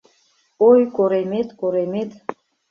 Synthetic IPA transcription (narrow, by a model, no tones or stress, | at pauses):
ojkoɾemet̪koɾemet̪